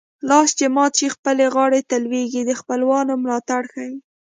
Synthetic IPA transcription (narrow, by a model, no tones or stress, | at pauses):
lɑst͡ʃemɑt͡ʃexpəleɣɑɽet̪əlweɡid̪əxpəlwɑnomlɑt̪aɽxəwi